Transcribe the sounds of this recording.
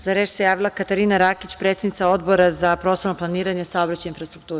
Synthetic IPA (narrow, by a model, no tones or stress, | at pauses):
zaɾeʃse̞jaːʋilˠakat̪aɾiːnaɾaːkit͡ɕpɾe̞t̪sednit̪ao̞d̪bo̞ɾazapɾo̞ːst̪oɾnoplˠaniːɾaɲesaobɾat͡ɕainfɾast̪ɾuk̚t̪uːɾ